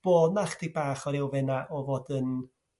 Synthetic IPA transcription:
b̥oːdnaχd̥ibaːχɔɾɪwvɛnaʔɔvoːdən

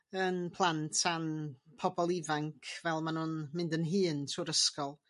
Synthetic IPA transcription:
ənpʰlˠantʰanpʰɔbɔlˠivaŋkʰvɛlˠmanuːnmɪndənɦɨːntʰuːɾəskɔlˠ

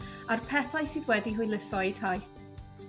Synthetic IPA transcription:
arpʰɛθajsɨːðwɛdiɦʊjlˠəsɔitʰaj

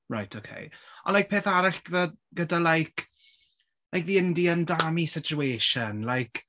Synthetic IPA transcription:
ɹa̰jtʰokʰḛjɔ̰lajk̚pʰeːθaɾaɬɡ̥vəɡ̥ədalajkʰ | lajkviːəndiəndamisɪt͡ʃʰueːʃənlajkʰ

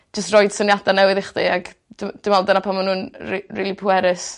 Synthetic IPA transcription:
d͡ʒəstrɔjd̥sənjadanɛwɪðɪχdḛaɡd̥d̥ɪmaldanapʰamanuːniriːlˠipʰʊɛɾɪs

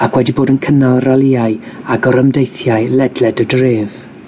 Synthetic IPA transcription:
akʰwɛdiboːdənkʰənalˠralɪaɨaɡɔɾəmdejθjaɨlɛdlɛdədreːð̥

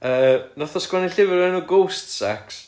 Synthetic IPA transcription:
əːnɔθɔskwɛniɬɪvɪɾɛnuːɡowstsa̰ks

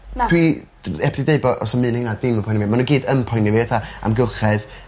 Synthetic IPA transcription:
d̥ʰwi | ɛpʰdideɨbɔʔɔ̰sɔmɨːnɛnadɪməpʰɔjnvimanuɡiːdəmpʰɔjnɪviθaa̰mɡɪlˠχɛð

